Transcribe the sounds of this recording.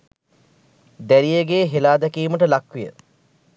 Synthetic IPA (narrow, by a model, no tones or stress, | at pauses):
d̪æɾijeɡeːɦelaːd̪ækiːməʈəlakʋijə̰